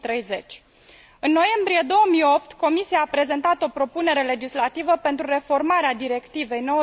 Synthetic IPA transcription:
t̪ɾejze̞t͡ʃʲ | ɨnːo̞je̞mbɾije̞d̪o̞wəmio̞pt̪ko̞misiaːpɾe̞ze̞nt̪at̪o̞pɾo̞pune̞ɾe̞le̞d͡ʒislat̪ivəpe̞nt̪ɾure̞fo̞rmaɾead̪iɾe̞kt̪ive̞jno̞

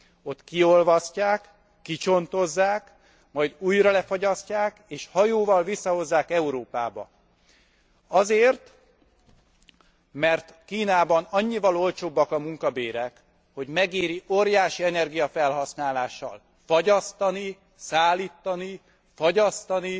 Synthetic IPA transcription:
o̞t̪kio̞lvɒscaːkː | it͡ʃo̞nt̪o̞zːaːk | mɒjd̪uːjrɒlɛfoɟɒscaːkeːʃhɒjoːvɒlvisːɒho̞zːaːkɛuɾoːpaːbɒ̰ | ɒzeːrt̪ | mɛrt̪kiːnaːbɒnɒɲːivɒlo̞lt͡ʃoːbːɒkɒmuŋkɒbeːɾɛk | ho̞ɟmɛɡeːɾiʔoːɾjaːʃiɛnɛrɡijɒfɛlɦɒsnaːlaːʃːɒ̰l | fɒɟɒst̪ɒni | saːlːiːt̪ːɒni | fɒɟɒst̪ɒni

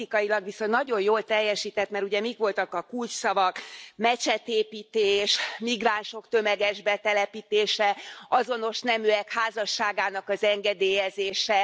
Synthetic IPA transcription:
ikɒjilɒɡʋiso̞nːɒɟo̞jjoːlt̪ɛjːɛʃiːt̪ɛt̪mɛɾuɟɛmikʋo̞lt̪ɒkɒkult͡ʃsɒvɒkmɛt͡ʃɛt̪eːpiːt̪eːʃmiɡraːnʃo̞kt̪ø̞mɛɡɛʒbɛt̪ɛlɛpiːt̪eːʃɛɒzo̞no̞ʃnɛmyɛkhaːzɒʃːaːɡaːnɒkɒzɛŋɡɛd̪eːjɛzeːʃɛ

